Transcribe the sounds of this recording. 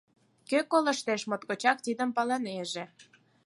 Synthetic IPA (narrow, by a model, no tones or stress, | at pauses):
køkolə̆ʃt̪eʃmot̪̚kot͡ɕɑk̚t̪id̪əmpɑlɑneʒĕ